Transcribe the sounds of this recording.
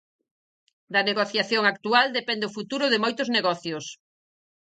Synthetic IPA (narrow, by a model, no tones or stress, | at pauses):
d̪ɐneɣoθjaθjoŋak̚t̪uald̪epɛnd̪eʊfut̪uɾʊðemojt̪ʊzneɣɔθjʊs